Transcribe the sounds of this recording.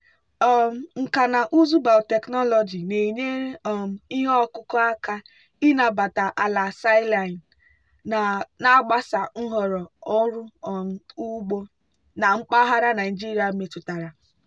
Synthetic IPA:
ɔ˦m˨ŋ̩˨ka˨na˨ʔu˦zu˦ba˨lte˨knɔ˦lɔ˨d͡ʒi˨ne˨ɲe˦ɾɔ˨m̩˨i˦ɦɔ˦kʊ˦kɔ˦a˦ka˦ | i˦na˨ba˨ta˨ʔa˨la˨sa˦la˨n˨ | na˦ɡ͡ba˦sa˨ŋ̩˦ɦɔ˨ɾɔ˨ɔ˦ɾʊ˦˨ | u˦ɡ͡bo˦ | na˨ŋ͡m̩˦k͡pa˦ɦa˦ɾa˦na˨ɪ˨d͡ʒi˦ɾi˨a˨me˨tʊ˨ta˨ɾa˨

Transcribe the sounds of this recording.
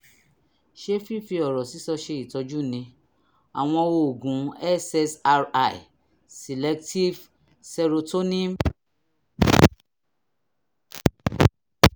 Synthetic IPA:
ʃe˦fi˦˨fi˧ɔ˨ɾɔ˨si˨˦sɔ˧ʃe˧i˨tɔ˧d͡ʒu˦˨nĩ˧˦ | a˨w̃ɔ̃˧wo˧o˨ɡũ˨˦ɛ˦sɛ˧sa˧ɾa˧˨ḭ˨ | se˨lɛ˧˦kti˦v | sɛ˧ɾo˧to˦nĩ˦m

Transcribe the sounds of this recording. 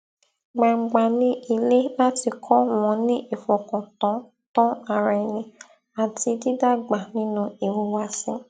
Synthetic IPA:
ɡ͡ba˨ŋ͡m̩˨ɡ͡ba˨nĩ˦i˨le˦la˦ti˧kʰɔ˦wɔ̃˨˦nĩ˦ʔe˨fɔ˨kɔ̃˨tɔ̃˨˦ | tɔ̃˦a˨ɾɛ˨nĩ˨ | a˨ti˧di˦da˦ɡ͡ba˨nĩ˦nũ˦e˨wu˨wa˨sĩ˦

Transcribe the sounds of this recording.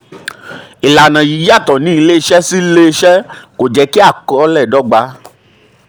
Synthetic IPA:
i˨la˨nã˨ji˨˦ja˦˨tɔ˨nĩ˨˦i˧le˦i˧ʃɛ˦si˦le˦˧ʃɛ˦ko˨d͡ʒɛ˨˦ki˦a˦˨kɔ˨˦lɛ˦˨dɔ˨˦ɡ͡ba˧˦

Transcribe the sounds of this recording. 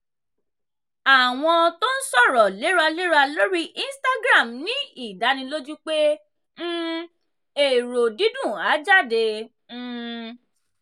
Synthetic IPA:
a˨w̃ɔ̃˧to˦n̩˦sɔ˦˨ɾɔ˨le˨˦ɾa˧le˦ɾa˧lo˦ɾi˦ʔĩ˦sta˦ɡɾa˦˨mnĩ˨˦i˦˨da˨˦nĩ˧lo˦d͡ʒu˦k͡pẽ˦ | e˨ɾo˨di˨˦dũ˦˨a˨˦d͡ʒa˦˨dẽ˧˦˧

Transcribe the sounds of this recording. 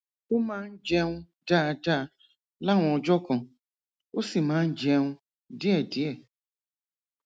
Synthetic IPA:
o˦mãː˦n̩˦d͡ʒɛ˦ŋũ˦ | daː˦˨daː˦˨ | la˦˨ŋʷ˨ɔ˧d͡ʒɔ˦kɔ̃˨ | o˦si˨mãː˨˦n̩˦d͡ʒɛ˦ŋũ˦ | dɪ˦ɛ˦˨dɪ˨˦ɛ˦˨

